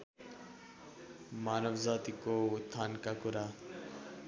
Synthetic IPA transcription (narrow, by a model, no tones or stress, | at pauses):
manʌbd͡zat̪ikot̪ʰːankakuɾa